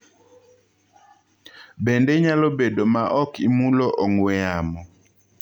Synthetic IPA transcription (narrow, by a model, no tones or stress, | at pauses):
bɛndɛɲalobedomaʔɔkimulɔʔɔŋwɛamɔ